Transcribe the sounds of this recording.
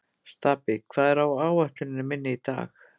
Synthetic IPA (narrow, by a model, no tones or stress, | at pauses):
st̪aːpɪkʰv̥aːðɛɾawaːwaht̪lʏnɪnɪmɪnːɪit̪a̰ːx